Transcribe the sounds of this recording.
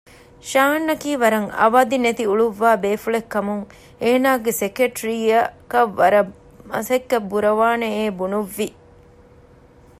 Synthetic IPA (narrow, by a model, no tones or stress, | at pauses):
ʃaːnːɐkiːʋɐɾɐŋɐ̰ʋaːd̪inet̪iuɭuʋːaːbeːfuɭekːɐmuŋ | eːnaːɡesekeʈɾiɐkɐʋːɐɾɐ | mɐsɐkːɐbːuɾɐʋaːneeːbunuʋːi